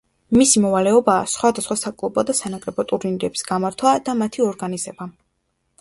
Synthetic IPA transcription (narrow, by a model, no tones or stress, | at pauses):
misimɔvalɛɔba̰ːsχwad̪asχwasakʼlˠɔpʼɔd̪asanakʼɾɛbɔt̪ʼuɾninɾɛbi̥sɡ̥amaɾt̪ʰwad̪amat̪ʰiɔɾɡanizɛba